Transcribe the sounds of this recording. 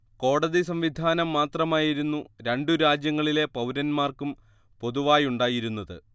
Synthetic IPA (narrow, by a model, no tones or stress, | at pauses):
ko̞ːɽɐðisɐmʋid̪ʱaːnɐmːaːt̪rɐmaːjiɾunːuɾe̞ɳɖuɾaːd͡ʑjɐŋːɐɭile̞pɐwɾɐnmaːrkum | po̞ðuʋaːjuɳɖaːjiɾunːɐðɨ